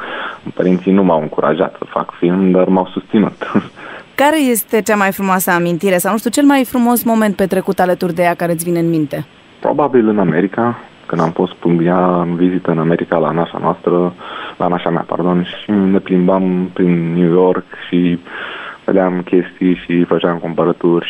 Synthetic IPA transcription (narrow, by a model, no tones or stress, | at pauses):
pəɾint̪sinumawɨŋkuɾʔa̰ʒa̰t̪sə̥fa̰kfilmd̪armawsust̪sinṵt̪ | kaɾe̞je̞st̪e̞t͡ʃamajfɾumoasəamint̪iɾe̞sawnuʃt̪ut͡ʃe̞lmajfɾumo̞smo̞me̞nt̪̚pe̞t̪ɾe̞kut̪alət̪urd̪e̞jakaɾeɨt̪ʲvineɨnmint̪e̞ | pɾo̰babilɨname̞ɾika | kɨnd̪amfo̞st̪pumbijaɨnvizit̪əɨname̞ɾʔikala̰naʃa̰noast̪ɾəlʔa̰naʃamea̰pa̰rd̪o̞nʃine̞plimbampɾinːjujo̞rkʃi | vḛd̪eamkʲe̞st̪ijʃifət͡ʃamkumpəɾət̪urʲ